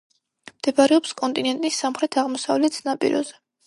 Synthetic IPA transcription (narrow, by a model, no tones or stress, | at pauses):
md̪̥ɛbaɾɛɔpskʼɔnt̪ʼinɛnt̪ʼisːamχɾɛt̪ʰaʁmɔsavlɛt̪snapʼḭɾɔ̰zɛ